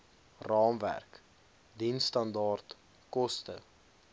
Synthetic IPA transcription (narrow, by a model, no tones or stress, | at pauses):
rɑːmvæ̰rk | dinstɐndɑːrt | kɔstə